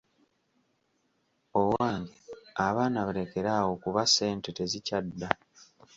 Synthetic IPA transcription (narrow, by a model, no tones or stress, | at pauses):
owaːŋɡiaβaːnaβale̞ke̞ɾawo̞kuβase̞ːnte̞te̞zicadːa